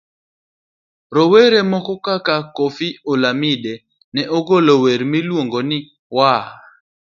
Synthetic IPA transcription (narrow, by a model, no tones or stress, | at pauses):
ɾoweɾɛmɔkɔkakakofiolamide | nɛʔoɡoloweɾmilwoŋɡonɪ | wa